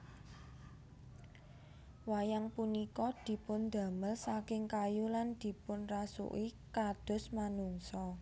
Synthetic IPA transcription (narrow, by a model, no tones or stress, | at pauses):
wajaŋpunikɔd̪̥i̤pʊnd̪ä̤məlsakɪŋkajuland̪̥i̤pʊnrasṵʔikad̪̥ʊ̤smanuŋsɔ